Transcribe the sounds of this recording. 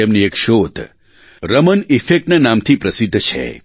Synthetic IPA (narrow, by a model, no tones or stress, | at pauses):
emniekʃot̪ | ɾəmənifek̚ʈnanamt̪ʰipɾəsid̪ʱːt͡ʃʰḛ